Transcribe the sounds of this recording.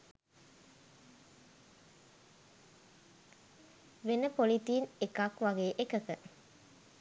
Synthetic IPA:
ʋenəpolit̪iːnekakʋaɡeːʔekəkə

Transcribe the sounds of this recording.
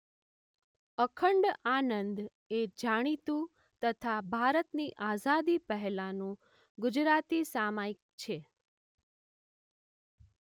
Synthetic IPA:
əkʰəɳɖanənd̪ | ed͡ʒaɽ̃it̪ũ | t̪ət̪ʰabʱaɾət̪niʔazad̪ipəɦɛlanũ | ɡʊd͡ʒɾat̪isamaik̚t͡ʃʰe

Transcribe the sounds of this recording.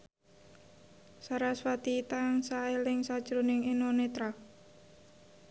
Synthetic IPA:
saɾaswat̪it̪aŋsaelɪŋsad̥ʒ̥ɾunɪŋenonet̪ɾak

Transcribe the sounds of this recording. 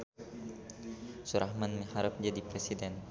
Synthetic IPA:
suɾʔahmanməhaɾap̚d͡ʒadipɾesidɛn

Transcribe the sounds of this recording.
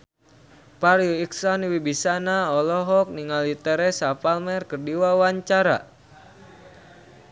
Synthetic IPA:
paɾjuiksɔniwibisanaɔlɔɦɔk̚niŋalit̪ɛɾɛsapalmɛrkərdiwawaɲt͡ʃaɾa̰

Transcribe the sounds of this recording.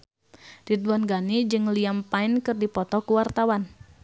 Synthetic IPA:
d̥iduwɔnɡanid͡ʒɨŋliampaɪnkɨrdipɔt̪ɔkuwart̪awan

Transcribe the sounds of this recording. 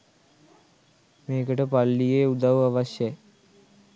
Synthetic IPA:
meːkəʈəpalːijeːud̪aʋaʋaɕja

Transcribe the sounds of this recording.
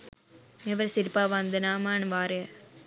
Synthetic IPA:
mɛʋɐɾsɪɾpaːʋɐnd̪ɯnaːmanʋaːɾe

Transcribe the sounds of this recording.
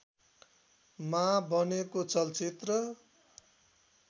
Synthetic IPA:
mabʱʌnekot͡sʌlt͡sit̪rʌ

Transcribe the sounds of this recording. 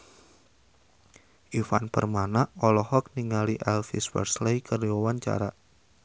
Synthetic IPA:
ʔifanpərmanaʔɔlɔhɔk̚niŋaliʔɛlfiswə̰rslejkəriɔwant͡ʃa̰ɾa

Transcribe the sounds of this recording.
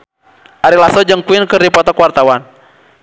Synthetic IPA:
ʔaɾilasɔd͡ʒɨŋkuinkəripɔt̪ɔkuwart̪awan

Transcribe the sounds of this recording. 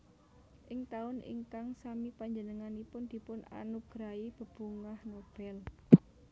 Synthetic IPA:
ʔɪŋt̪aʊnḭŋkaŋsamipaɲd͡ʒənəŋanipʊnd̪̥i̤pʊna̰nuɡ̥ɾaib̥ə̤b̥uŋahnob̥ɛl

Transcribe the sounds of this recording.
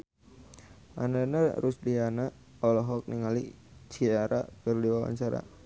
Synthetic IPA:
ʔa̰nanaɾusdiana | ɔlɔɦɔk̚niŋalit͡ʃiaɾa̰kərdiwawa̰ɲt͡ʃaɾa̰

